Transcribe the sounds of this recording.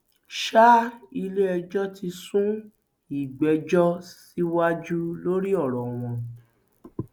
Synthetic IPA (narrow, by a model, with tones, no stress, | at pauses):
ʃa˦i˧le˦ɛ˧d͡ʒɔ˦ti˧sũ˦ | i˦˨ɡ͡bɛ˨d͡ʒɔ˦si˦wa˦d͡ʒu˦lo˦ɾi˦ɔ˦˨ɾɔ̃˨w̃ɔ̃˧